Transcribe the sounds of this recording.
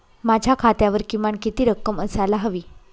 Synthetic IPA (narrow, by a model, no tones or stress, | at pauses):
mad͡ʑʱjakʰat̪jaʋəɾkimaɳkit̪iːɾəkːəməsalaɦəʋiː